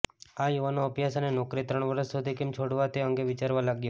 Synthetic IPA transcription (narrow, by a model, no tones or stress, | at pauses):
ajuʋanoəpjasənenokɾit̪ɾəɳ̃ʋəɾəsːud̪ʱikemt͡ʃʰoɽʋat̪eəŋɡeʋɪt͡ʃaɾʋalaɡjo